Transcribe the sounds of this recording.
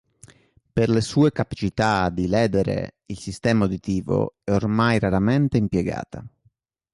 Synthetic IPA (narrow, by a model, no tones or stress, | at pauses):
perlesuːekapḁt͡ʃit̪ad̪ilɛːd̪eɾḛilsist̪ɛːmaod̪it̪iːvo̰ɛormajɾaɾament̪eimpjɛɡa̰ːt̪a